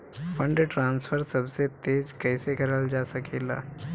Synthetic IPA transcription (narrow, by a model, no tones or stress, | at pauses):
pəɳɖʈɾansfʰəɾsəbset̪ed͡ʑkəjsekəɾəld͡ʒasəkela̰